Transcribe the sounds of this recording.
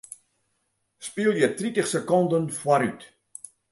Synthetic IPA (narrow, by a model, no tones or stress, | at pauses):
spiəlˠjərtritəχsəkɔndənfwaɾyt